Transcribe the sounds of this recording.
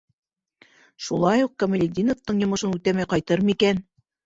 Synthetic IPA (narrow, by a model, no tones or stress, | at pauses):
ʃulˠɑjuq̚kɐmɪlʲɪd̪ʲinot̪ːɤɴjŏmɤ̆ʃɤnut̪æmæjqɑjt̪ɤɾmikæn